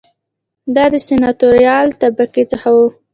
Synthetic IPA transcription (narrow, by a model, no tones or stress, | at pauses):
d̪ɑd̪əsenɑt̪oɾjɑlt̪abaket͡səxawu